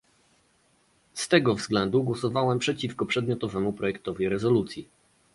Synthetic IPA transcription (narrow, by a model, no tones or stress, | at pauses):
st̪ɛɡɔvzɡlɛnd̪uɡwɔsɔvawɛmpʂɛt͡ɕifkɔpʂɛd̪̚mʲjɔt̪ɔvɛmupɾʔɔjɛkt̪ɔvʲiɾɛzɔlut̪sʲji